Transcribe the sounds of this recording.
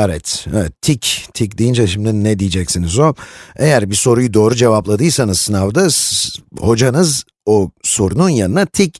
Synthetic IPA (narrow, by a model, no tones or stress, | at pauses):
evɛt̪evɛt̪ʰːict̪ʰic̬̚d̪ijind͡ʒaʃimd̪inɛd̪ijid͡ʒɛcsinizo̞e̞jæɾbiso̞ɾujud̪o̞ːɾud͡ʒe̞vaplˠad̪ɯjsanɯzsɯnavd̪a | ho̞d͡ʒanɯz | oso̞ɾununjanɯnat̪ʰic